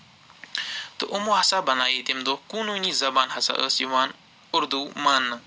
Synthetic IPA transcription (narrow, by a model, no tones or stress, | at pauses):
t̪ɨʔʊmoːɦɐsabɐnaːjit̪imd̪oːkuːnuːniːzɐbaːnɦɐsa̰ʔə̰siʋaːn | ʊɾd̪uːmɐnː